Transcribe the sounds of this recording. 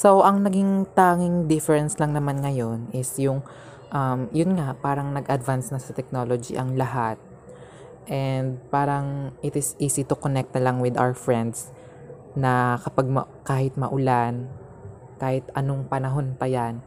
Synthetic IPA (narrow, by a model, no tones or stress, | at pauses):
so̞wʔɐŋnɐɡiŋt̪aːŋɪŋd̪ɪfɛɹɛnslɐŋnɐmanŋɐjo̞nʔɪsjʊŋ | ʔɐmjʊnŋapaːɾɐŋnɐɡʔɐd̪vansnɐsɐt̪ɛk̚no̞lod͡ʒḭʔɐŋlɐɦat̪̚ | ʔɛnd̪̚paːɾɐŋʔɪt̪ɪsʔiːsit̪ʊkonɛk̚t̪̚nɐlaŋwɪd̪ʔa̰wɛfɹɛnd̪s | nɐkɐpaɡ̚mɐ̰kaːhɪt̪̚mɐʔʊlan | kaːhɪt̪ɐnoŋpɐnɐɦo̞npɐjan